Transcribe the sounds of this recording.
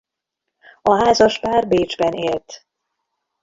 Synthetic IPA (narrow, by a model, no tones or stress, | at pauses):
ɒɦaːzɒʃpaːrbeːd͡ʒbɛneːlt̪